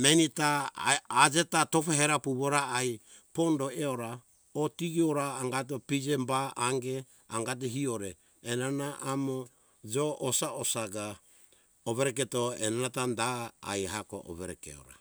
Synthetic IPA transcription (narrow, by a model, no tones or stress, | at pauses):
menitaː | d͡ʒe̞tatofaɦeɾapuβoɾaaj | po̞ndo̞eoɾa | otiɡioɾaːŋɡat̬opid͡ʒembaaŋɡe̞ | a̰ŋɡat̬oɦioɾeː | nanaʔamo | d͡ʒoʔːsaosaɡa | oβeɾeketoenanatanda̰ːjɦako̰ʔo̰βeɾḛkḛo̰ɾa̰